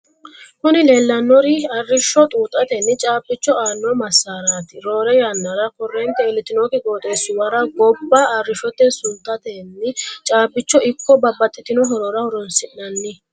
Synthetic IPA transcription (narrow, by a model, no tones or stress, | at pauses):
hʊnɪle̞ːlːɐnːɔɾɪɐrːɪʃːɔt̪ʼuːt̪ʼːɐt̪ɛnːɪt͡ʃʼaːbːɪt͡ʃːɔaːnːɔmɐsːaːɾaːt̪ɪɾo̞ːɾɛjanːɐɾɐkɔrːɛnt̪ɛɪlːɪt̪ɪnokɪkʼoːt̪ʼeːsʊwɐɾɐɡɔbːɐːrːɪʃɔt̪ːɛsʊnt̪ːɐt̪ɛnːɪt͡ʃʼaːpːɪt͡ʃːɔɪkːɔbɐbːɐt̪ʼːɪt̪ːɪnɔɦɔɾɔɾɐhɔɾɔnsɪnɐnːɪ